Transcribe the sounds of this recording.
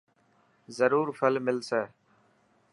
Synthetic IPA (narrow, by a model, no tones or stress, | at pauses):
zəɾuːɾfəlmɪlsɛː